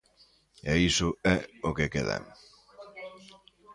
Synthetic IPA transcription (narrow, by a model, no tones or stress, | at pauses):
eisʊɛokekeða̰ŋ